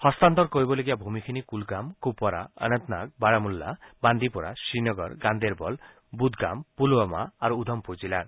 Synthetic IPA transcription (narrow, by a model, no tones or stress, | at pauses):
hɔst̪ant̪ɔɾkoɦibɔleɡiabʱumikʰinikulɡamkupɔɾa̰ə̰nənt̪nak̚baɽamulːa̰band̪ipɔɾa̰sinɔɡɔ̰ɾɡand̪eɾbɔl | bud̪ʱɡa̰mpulɔma̰ːɾuud̪ʱɔmpud͡ʒilaɾ